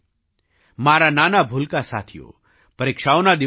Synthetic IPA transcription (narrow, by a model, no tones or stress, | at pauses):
maːɾanaːnabʱulkasa̰ːt̪ʰijo̰ː | pɐɾeːkʃaːonad̪ɪ